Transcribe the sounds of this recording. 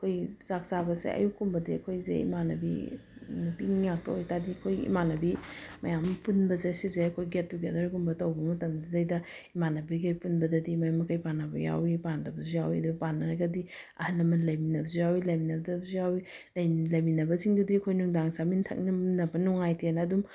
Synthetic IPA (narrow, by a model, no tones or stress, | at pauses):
kʰojz̥ak̚sabɐsḛʔɐ̰jukumbɐdiɐ̰kʰojzḛḭmanɐbḭ | piŋjak̚tɐ̰ojtadikʰojḭmanɐbimɐ̰jampunbɐzesizeɐkʰojɡet̚tuɡedɐɾkumbɐtɐwbɐmɐtɐmdidɐjdɐ | imanɐbiɡɐjpunbɐdɐdimɐjamɐkajpanːɐbɐ̰ja̰wipandɐbɐzujawidubpanːɐɾɐɡɐdiɐ̰hɐlɐmɐlɐjminɐbɐzujawilɐjminɐbɐdɐbzujawi | lɐjlɐjminɐbɐziŋdudikʰojnuŋdaŋsamintʰɐ̰k̚nɐnɐbɐnuŋajtenɐːdum